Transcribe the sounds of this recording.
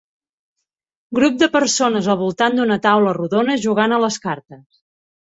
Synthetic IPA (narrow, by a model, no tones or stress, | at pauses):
ɡɾup̚d̪əpəɾsonəzəlˠβulˠt̪and̪unət̪awləruðonəʒuɣanələskaɾt̪əs